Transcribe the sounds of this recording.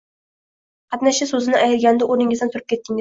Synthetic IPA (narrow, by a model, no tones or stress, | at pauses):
qʰɑt̪naʃasɵzɪnɪʔajɾɡʲand̪aʔoɾnɪŋɪzd̪nt̪ʊɾɪp̚kʲe̞t̪ʰːɪŋʲɪ